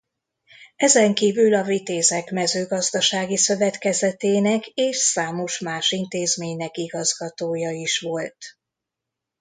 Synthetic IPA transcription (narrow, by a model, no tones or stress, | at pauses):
ɛzɛŋkiːvylɒvit̪eːzɛkmɛzøːɡɒzd̪ɒʃaːɡisø̞vɛt̪kɛzɛt̪eːnɛkeːʃsaːmo̞ʃmaːʃint̪eːzmeːɲnɛkiɡɒzɡɒt̪oːjɒiʃʋo̞lt̪